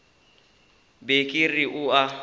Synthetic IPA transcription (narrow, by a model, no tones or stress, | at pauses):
bekʼɪriʔʊa